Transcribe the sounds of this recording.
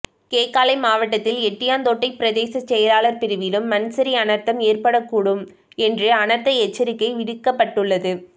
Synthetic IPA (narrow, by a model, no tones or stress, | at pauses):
keːkːaːlɐɪmaːʋɐʈ̬ːɐt̪ːɪlɛʈːɪjaːnd̪oːʈːɐɪpɪɾɐðeːsɐt͡ʃːɛjɐlaːlɐɾpɪɾɯʋɪlɯmːɐnsɐɾiɐnɐɾt̪ːɐmeːrpɐɽɐkːuːɽɯm | ɛndrɯɐnɐt̪ːɐɛt͡ʃːɐɾɪkːɐɪʋɪɽɯkːɐpːɐʈːɯɭːɐðɯ